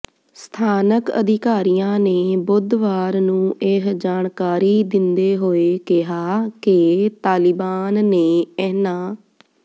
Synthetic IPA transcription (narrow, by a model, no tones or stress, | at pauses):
st̪ʰaːnəkə̰d̪ɪkaːɾijãːneːbʊd̪ʋaːɾnũːʔɪɦd͡ʒaːɳkaːɾiːd̪ɪnd̪eːɦoːeːkɪɦaːkɪt̪aːlɪbaːnːeːɛːnãː